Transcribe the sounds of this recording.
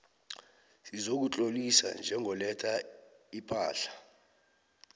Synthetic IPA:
sizok̬ut͡ɬʼolisa̰nd͡ʒʱɛŋʱɔlɛtʰaipʰʼa̰ːɬḁ

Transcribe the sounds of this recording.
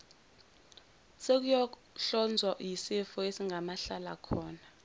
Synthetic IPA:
sek̬ujɔ | ɬɔnd͡zʱwajisifɔesiŋɡʱamaɬala̰kʰɔːna

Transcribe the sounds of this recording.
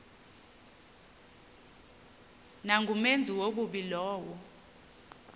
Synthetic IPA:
naŋɡʱumend͡zʱiwok̬uɓilɔːwɔ

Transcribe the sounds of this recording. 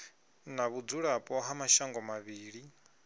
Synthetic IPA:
naβud͡zuɺapʼɔɦamaʃaŋɡɔmaβiːɺi

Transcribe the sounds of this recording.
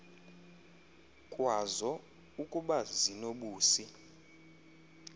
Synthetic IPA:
kʼwazɔ | ukʼuɓazinoɓuːsi

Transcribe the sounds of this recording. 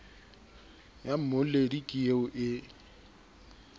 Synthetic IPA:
jam̩moledikʼieʊʔɪ

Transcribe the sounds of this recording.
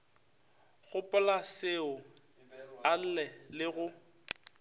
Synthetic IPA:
ɣʊpʼʊlasɪʊ | al̩lɛlɪɣʊ

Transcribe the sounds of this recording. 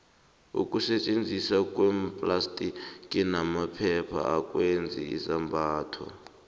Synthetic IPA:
ṵkʼusɛt͡ʃʼend͡zʱisakʼwɛmpʼlastʼikʼinamapʰɛpʰa̰akʼwend͡zʱḭḭsambaːtʰɔ̰

